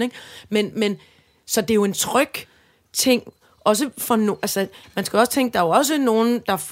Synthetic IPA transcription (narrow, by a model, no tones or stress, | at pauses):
eŋmenmen | sɒ̽d̥e̝jo̝e̝nt͡sʰʁœɡ̥ | t͡sʰe̝ŋ̰ | ɒ̽s̬əfɒ̽no̝ʔælsəmænsɡ̥æɒ̽sə̥t͡sʰeŋɡ̥̚d̥ɑ̈æɒ̽s̬əno̝ːn̩d̥ɑ̈f